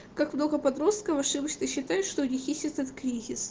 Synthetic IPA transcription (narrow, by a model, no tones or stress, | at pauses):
kakmno̞ɡəpɐd̪ɾo̞st̪̚kəvɐʂɨbət͡ɕt̪əɕːɪt̪ajɪt̪ʂt̪onʲɪxʲisʲɪɛt̪ət̪kɾʲizʲɪs